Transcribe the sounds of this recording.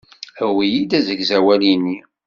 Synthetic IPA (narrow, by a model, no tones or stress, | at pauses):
əwijid̪æzəɡzæwælinːi